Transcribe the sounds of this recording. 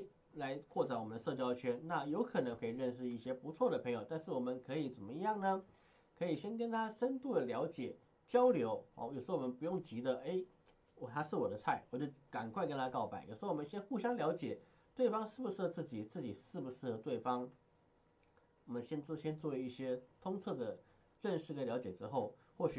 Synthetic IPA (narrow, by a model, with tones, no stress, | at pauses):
la˧˥ɪkʰwɔ˥˩t͡sa˧˥nwɔ˨˩mə˦nd̪ə˧ʂɤ˥˧˩t͡ɕjɑ˥ʊt͡ɕʰɥɛ˥nna˥˩jo˧˥ʊkʰɤ˨˩nɤ˧˥ŋxwe˥˩i˨˩ɻə˥˧nʂ̬ɻ̩˥˧i˥˩ɕjɛ˥pu˧˥t͡sʰwɔ˥˩d̪ə˩pʰɤ˧˥ŋjo˨˩ʊt̪a˥˧nʂɻ̩˥˩wɔ˨˩mə˦nkʰɤ˧˥i˧˩t͡sə˨˩nmə˦jɑ˥˩ŋnə˩ | kʰɤ˧˥i˨˩ɕjɛ˥nkə˥nt̪ʰa˥ʂə˥nt̪u˥˩d̪ə˩ljɑ˧˥ʊt͡ɕjɛ˨˩ | t͡ɕjɑ˥ʊljo˧˥ʊ̰˥˩jo˨˩ʊʂ̩˧˥˧wɔ˨mə˧˦npu˧˥jʊ˥˩ŋt͡ɕi˧˥d̪ə˧e˥˩ɪ | wɔ˨˩t̪ʰa˥ʂɻ̩˥˩wɔ˨˩d̪ə˦t͡sʰa˥˩ɪwɔ˨˩t͡ɕo˥˩ʊka˨˩nkʰwa˥˧ɪkə˥nt̪ʰa˥kɑ˥˩ʊpa˨˩˦ɪjo̰˨˩ʂ̩˧˥˧wɔ˨˩mə˦nɕjɛ˥nxu˥˩ɕjɑ˥ŋljɑ˧˥ʊt͡ɕjɛ˨˩˦ | t̪we˥˩ɪfɑ˥ŋʂɻ̩˥˩bu˩ʂɻ̩˥˩˧t͡sɹ̩˥˩t͡ɕi˨˩t͡sɹ̩˥˩t͡ɕi˨˩ʂɻ̩˥˩bu˩ʂɻ̩˥˩ə˨˩t̪we˥˩ɪfɑ˥ŋ | wɔ˨˩mə˦nɕjɛ˥nt͡sɕjɛ˥nt͡swɔ˥˧˩we˧˥i˥˩ɕjɛ˥t̪ʰʊ˥ŋt͡sʰɤ˥˩d̪ə˩ | ɻə˥˧nʂɻ̩˥˩kljɑ˧˥t͡ɕjɛ˨˩ʈ͡ʂɻ̩˥xo˥˧ʊ | xwɔ˥˩ɕy˨˩